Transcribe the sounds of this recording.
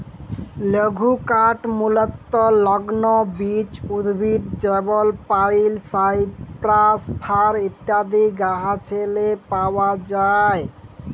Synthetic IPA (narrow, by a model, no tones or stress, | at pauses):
ləɡʱukaʈmulɔt̪ːɔlɔɡnɔbit͡ʃud̪bʱid̪d͡ʒəbɔlpailsajpɾaspʰaɾit̪jad̪ʱiɡaɦãt͡ʃʰelepawad͡ʒae